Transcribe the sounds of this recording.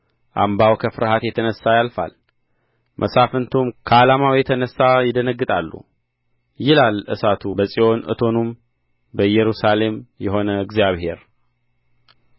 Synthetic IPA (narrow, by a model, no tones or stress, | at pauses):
ʔa̰mbawkʰəfɨɾhat̪jɛt̪ʰənəsːajalfa̰l | mʔəsafɨnt̪ʰumkʰəalamawjɛt̪ʰənəsːajɪd̪ənəɡːɨt̪ʼalːṵ | jɪlalʔɨsat̪ʰubəsʼio̞nɨ̰t̪ʰo̞num | bəjɛɾusale̞mjɛɦo̞nəɡzjaβhe̞ɾ